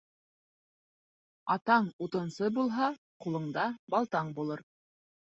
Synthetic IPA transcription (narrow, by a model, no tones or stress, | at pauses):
ɑt̪ɑɴut̪ɤ̆nsɤbulˠɦɑ | qulˠɤ̆ɴd̪ɑbɑlˠt̪ɑɴbulˠɤɾ